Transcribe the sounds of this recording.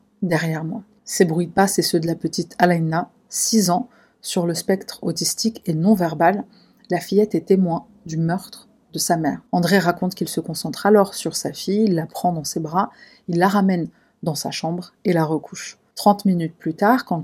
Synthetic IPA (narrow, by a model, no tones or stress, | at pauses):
d̪ɛʁjɛʁmwa | sɛbʁɥipasɛsød̪əlapət̪it̪ʰalana | sizɑ̃ | syʁləspɛkt̪χot̪ist̪ikenɔ̃vɛʁbalː | afijɛt̪ɛt̪emwɛ̃ | d̪ymœʁt̪χ | d̪əsamɛːʁɑ̃d̪ʁeʁakɔ̃t̪kʲilsəkɔ̃sɑ̃t̪χalɔʁsyʁsafijilːapχɑ̃d̪ɑ̃sebʁa | ilːaʁamɛn | d̪ɑ̃sa̰ʃɑ̃bʁelaʁəkʰuʃ | t̪χɑ̃t̪minyt̪̚plyt̪aʁkɑ̃